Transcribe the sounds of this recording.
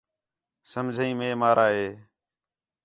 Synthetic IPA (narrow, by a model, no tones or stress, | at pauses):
səmd͡ʒʱəĩːmẽːmaːɾʔaːɦeː